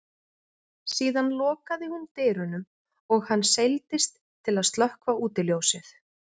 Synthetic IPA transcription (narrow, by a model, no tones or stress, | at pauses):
siːðanlɔːkaðɪhunt̪ɪːɾʏnʏm | ɔɣhanːsejlt̪ɪst̪ʰːɪlaðst̪lœhkvauːt̪ɪljowsɪθ